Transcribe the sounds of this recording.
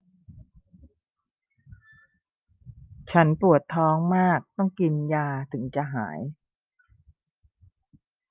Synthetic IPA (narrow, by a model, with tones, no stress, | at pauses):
t͡ɕʰa˦˥npu˨˩ət̪ʰːɔː˦˥ŋmaː˥˩k̚t̪ɔ˥˩ŋki˧njaː˧t̪ʰɯ˩˦ŋt͡ɕa˨˩ɦa̰ː˩˦j